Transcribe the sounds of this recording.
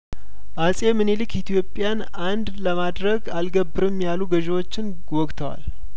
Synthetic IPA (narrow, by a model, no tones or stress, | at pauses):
ʔasʼe̞mɨnelɨkʰit̪ʰijo̞pʼːjanʔand̪ləmad̪ɾəɡalɡəbːɨɾɨmjaluɡəʒewo̞t͡ʃːɪn | wɔkʼt̪ʰəwa̰l